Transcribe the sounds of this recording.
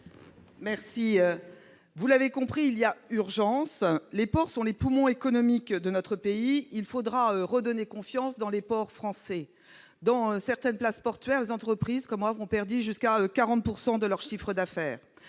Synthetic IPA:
mɛʁsiø | vulavekɔ̃pχiːlijayʁʒɑ̃slepɔʁsɔ̃lepumɔ̃ekɔnɔmikd̪ənɔt̪χəpeiilfod̪ʁaøʁəd̪ɔnekɔ̃fjɑ̃sd̪ɑ̃lepɔʁfχɑ̃sɛ | d̪ɑ̃øsɛʁt̪ɛnplaspɔʁt̪ɥɛʁlezɑ̃t̪χəpχizkɔmwavʁɔ̃pɛʁd̪yʒyskaøkaʁɑ̃t̪̚puʁsɑ̃d̪əlœʁʃifχəd̪afɛːʁ

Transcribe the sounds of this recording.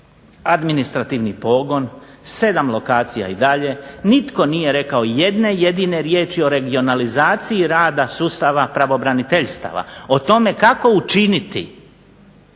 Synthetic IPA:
ad̪minist̪ɾat̪iʋnipo̞ːɡo̞nse̞d̪amlˠo̞kaːt̪sija̰id̪aʎe̞nit̪ko̞nije̞ɾe̞kao̞je̞d̪ne̞je̞d̪ine̞ɾje̞ːt͡ʃio̞ɾe̞ɡio̞nalizaːt̪siiɾaːd̪asuːst̪aʋapɾaʋo̞bɾanit̪eʎst̪a̰ʋa̰o̞t̪o̞me̞kako̞ut͡ʃinit̪ḭ

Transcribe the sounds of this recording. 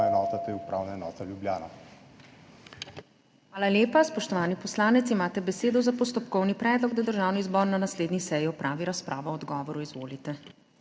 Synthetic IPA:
ɛnɔːt̪at̪eupɾa̰wnaɛnɔ̰ːt̪aljubljaːna̰ | xxʋaːlaljeːpaspɔʃt̪ɔʋaːnipɔslaːnɛt̪simaːt̪ɛbɛseːd̪ɔzapɔs̬t̪ɔpkɔwnipɾɛːd̪lɔɡ̚d̪ad̪əɾʒaːwnizbɔːɾnanasleːd̪nisɛjiɔpɾʔaːʋiɾaspɾʔaːʋɔɔd̪ɡɔːʋɔɾuizʋoːlit̪ɛ

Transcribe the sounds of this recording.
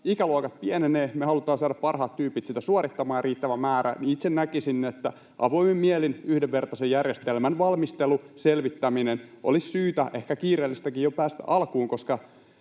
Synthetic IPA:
ikæluokɑt̪̚pieneneːmehɑlut̪ɑːnsɑːdɑppɑrhɑːt̪t̪ːyːpit̪sit̪æsuorit̪ːɑmɑːjɑriːt̪ːæʋæmæːɾæ̰niit̪sennækisinːet̪ːæ | ʔɑʋoimemmielinyhdeʋʋert̪ɑsejjærjest̪elmænʋɑlmist̪eluselʋit̪ːæminenʔo̰lissyːt̪æʔehkækiːɾeːlːist̪ækijjopæːst̪æ̰ʔɑlkuːŋkoskɑ

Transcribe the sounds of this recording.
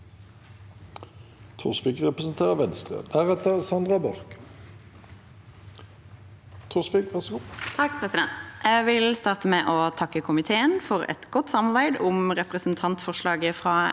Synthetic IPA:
t̪ʰʊʁsfɪkʁɛpʁəsn̩t̪ʰeːʁəʋɛnst̪ʁə̰hæʁɛt̪əʁsɑnd̪ʁɑbɑʁk | t̪ʰʊsfɪkʋæʁsəɡut̪ʰɑk̚pʰʁɛsɪd̪ɛnt̪ʔæʋɪlst̪ɑːʁt̪əmeːʔoːt̪ʰɑkːəkʰʊmɪt̪ʰeːənfɔʁɛ̰t̪ɡɔt̪ːsɑmɑʁbæɪd̪ʊmʁɛpʁəsn̩t̪ʰɑnt̪fɔʁʃlɑːɡəfʁɑː

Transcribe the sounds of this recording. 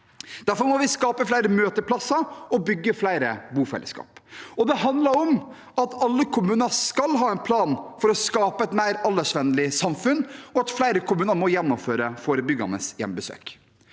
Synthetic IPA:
d̪̥æɾfɔɾmɔʋɪskɑːpəflæɪɾəmøːt̪əɾpʰlɑsɑɔbʏɡːəflæɪɾəbuːfɛ̰lʔə̰skɑ̰ːpɔd̪ɛhɑnd̪lɑɾɔm | ɑt̪ʰɑlːəkʰʊmʉːnəskɑlɦɑːɛɪnpʰlɑːnfɔɾɔskɑːpəɛt̪mæɪɾɑlːəʂʋɛnlɪsɑmfʉnːɔɑt̪flæɪɾəkʰʊmʉːnəɾmɔjɛnːɔmføːɾəfoːɾəbʏɡɑ̰nə̰sjɛ̰mbəsø̰ːk

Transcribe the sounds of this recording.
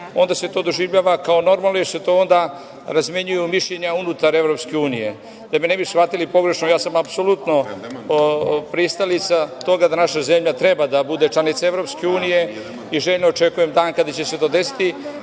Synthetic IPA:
o̞nd̪ase̞t̪o̞ːd̪o̞ʒiʋʎaːʋakao̞no̞ɾmalnojeɾset̪o̞ond̪a | ɾazmje̞ɲujumiʃʎeɲaunut̪aɾe̞vɾo̞pske̞uːnije̞ | d̪amenebisxfat̪ilipo̞ɡɾe̞ʃnojaːsamapsolut̪no̞ | pɾist̪alit̪sat̪o̞ɡad̪anaʃaze̞mʎat̪ɾebad̪abud̪et͡ʃlanit̪saevɾo̞pske̞uːnije̞ | iʒeʎnoot͡ʃe̞kujemd̪aːnkad̪at͡ɕeset̪o̞ːd̪e̞si̥t̪i

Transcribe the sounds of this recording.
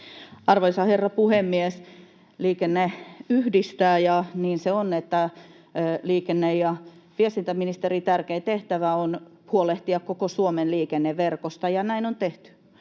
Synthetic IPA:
ɑrʋoisɑherːɑpuhemːies | liːkenːeyhdist̪æːjɑniːnseonet̪ːæ | liːkenːejjɑʋiest̪int̪æminist̪erit̪ærkeit̪eht̪æʋæon | huoleht̪iɑkkokosuomenliːkenːeʋʋerkost̪ɑjɑnæinont̪eht̪y̥

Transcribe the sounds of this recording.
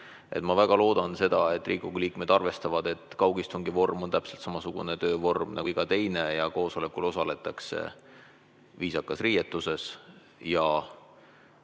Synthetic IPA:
ʔet̪mɑvæɡ̥ɑlo̞ːd̪̥ɑnse̞d̪̥ɑe̞t̪ːˑrʔiːkukuliːkme̞d̪̥ɑrve̞st̪ɑvɑd̪e̞t̪ːˑkɑwɡ̥ist̪uŋɡivo̞rmo̞nt̪æpse̞lt̪sɑmɑsuɡ̥ṵne̞t̪ø̞ːvo̞rmnʔɑ̰iɡ̥ɑt̪e̞jne̞jɑko̞ːso̞le̞kːˑulo̞sɑle̞t̪ːˑɑkse̞̰ | viːsɑkːˑɑsrijet̪ːˑuse̞s | jɑ

